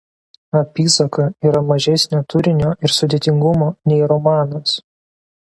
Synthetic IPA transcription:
ɐpʲiːsɐkɐiːɾɐmɐʒʲɛsʲnʲoːt̪ʰʊɾʲɪnʲoːɪɾsʊd̪ʲeːt̪ʲɪŋɡʊmoːnʲɛɪɾɔmɑːnos

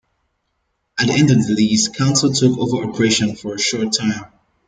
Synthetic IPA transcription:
ɨtðiʔɛ̃ndʌvðəliskʰãʊ̃nsl̩ˠtʰʊkoʊvə˞ʔɔpʰɹɛʃɨ̃nfə˞ɨʃɔɹtʰːãɪ̃m

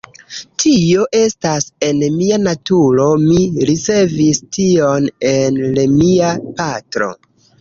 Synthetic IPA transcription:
tʰio̞ʔe̞stase̞nmianatuɾo̞miɾit͡se̞vistʰio̞nenlemiapatɾo̞̰

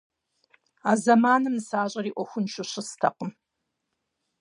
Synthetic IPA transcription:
aːzɐmaːnɨmsaːʑʼɐɾiːʔʷɔxʷʊnʃʷʊɕɪstʰɐqəm

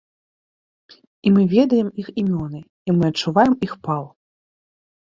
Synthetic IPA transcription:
imɨvʲɛd̪ɐjɛmiximʲɔnɨ | imɨɐt͡ʂːuvajɛmixpalˠ

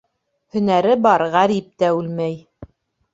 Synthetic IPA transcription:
hɵ̆næɾɘbɑɾʁæɾip̚t̪æʉlmæj

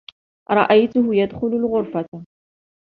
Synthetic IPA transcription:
ɾˤɑ̰ʔajt̪ʊɦʊjad̪χʊlʊlʁʊɾfat̪a

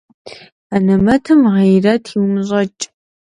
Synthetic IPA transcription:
anɐmɐtʰɨmʁejrɐtʰiwmɕʼɐt͡ʃʼ

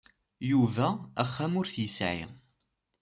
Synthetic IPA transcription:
juvææχːæmʊɾθjəsʕḭ

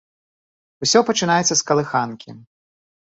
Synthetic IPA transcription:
usʲɔpɐt͡ʂɨnajɛt̪sɐskɐlˠɨxankʲʰi

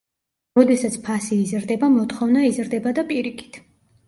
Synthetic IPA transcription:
ɾɔd̪ɛsat̪sʰpʰasiːzɾd̪ɛbamɔt̪χɔvnaizɾd̪ɛbad̪apʼiɾikʰi̥t̪ʰ

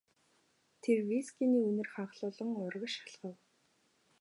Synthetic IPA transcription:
t̪ʰerwiskʲiniːunɘ̆rχaɴχɮʊːɮə̆ŋʊrʁə̆ʃḁɮʁə̆w

